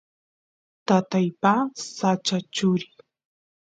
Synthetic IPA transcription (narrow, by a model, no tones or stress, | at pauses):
t̪at̪ajpasat͡ʃat͡ʃʊɾɪ